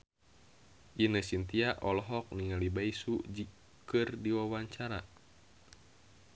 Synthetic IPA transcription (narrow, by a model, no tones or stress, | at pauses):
ʔinəsint̪iaʔɔlɔɦɔk̚niŋalibaisud͡ʒi | kɨrdiwawaɲt͡ʃaɾa